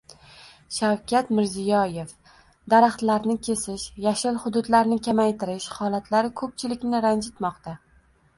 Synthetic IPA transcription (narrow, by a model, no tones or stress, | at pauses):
ʃawkʲat̪mɪɾzɪjɒje̞f | d̪aɾaχt̪laɾnɪkʲʰe̞sɪʃjaʃɪlχʊd̪ʊd̪laɾnɪkʲʰamajt̪ʰɪɾɪʃhɒlˠat̪ʰlaɾɪkʰɵp̚t͡ʃʰɪlɪkʲnɪɾand͡ʒɪt̪mɒqt̪a